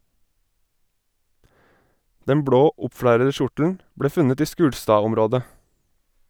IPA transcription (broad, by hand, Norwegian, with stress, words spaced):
ˈdɛm ˈbɽoː ˈʊpˌfɽæɾə ˈʃʊʈl̩n̩ ˈbɽeː ˈfʉnət ˈiː ˈʃkʉːɽstɑːˌɔmɾoːdə